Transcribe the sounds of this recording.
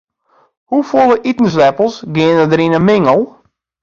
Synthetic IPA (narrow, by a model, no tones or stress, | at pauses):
hufolˠəʔitnəs̬lɛpəl̩ˠsɡɪənədəɾinəmɪŋəlˠ